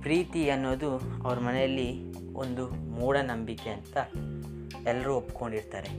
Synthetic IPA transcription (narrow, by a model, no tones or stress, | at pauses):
pɾiːt̪iɐnːoːd̪uɐ̰ʋɐɾɐmɐnɛjɐlːi | o̰nd̪umuːɽɐnɐmbike̞ɐnt̪ɐ | ɛlːɐɾuːopːko̞ɳɖiɾt̪aːɾe̞